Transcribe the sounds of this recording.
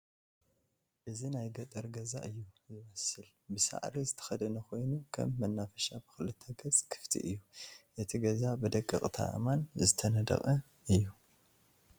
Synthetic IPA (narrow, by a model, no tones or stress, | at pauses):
ʔɨzinajɡɐt̪ʼɐɾɡɐza̰ʔɨjːuzɨmɐsɨl | bɨsa̰ʕɾizɨt̪ʰɐ̥xɐd̪ɐnɐxʰo̞jnukʰɐ̰mːɐnːafɐʃabɨ̥xɨlɨt̪ʰːɐɡɐzʼkʰɨ̥ft̪ʰḭʔɨjːuʔɨt̪ʰiɡɐzabɨd̪ɐkʼːɨ̰kʼt̪ʰa̰ʔɨ̰manzɨt̪ʰɐnɐd̪ɐ̰χʼɐ | ʔɨjːu